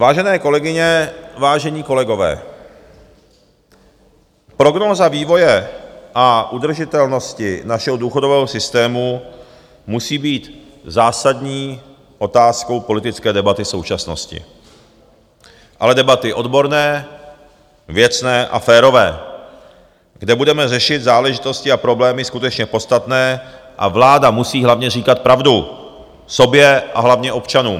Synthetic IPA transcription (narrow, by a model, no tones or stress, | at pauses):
vaːʒɛnɛːko̞lɛɡɪɲɛvaːʒɛɲiːko̞lɛɡo̞vɛ̰ː | pɾo̞ɡnoːzaviːvo̞jɛʔaʔud̪r̩ʒɪt̪ɛlno̞scɪnaʃɛɦoduːxo̞do̞vɛːɦosɪst̪ɛːmu | musiːbiːt̪ | zaːsadɲiː | ʔo̞t̪aːsko̞wpo̞lɪt̪ɪt͡skɛːdɛbat̪ɪso̞wt͡ʃasno̞scɪ̰ | ʔalɛdɛbat̪ɪʔo̞dbo̞ɾnɛː | vjɛt͡snɛːʔa̰fɛːɾo̞vɛː | ɡdɛbudɛmɛrɛʃɪd̪zaːlɛʒɪt̪o̞scɪapɾo̞blɛːmɪskut̪ɛt͡ʃɲɛpo̞t͡st̪at̪nɛːʔa̰vlaːdamusiːɦlavɲɛriːkat̪̚pɾavdu | so̞bjɛʔa̰ɦlavɲɛʔo̞pt͡ʃanuːm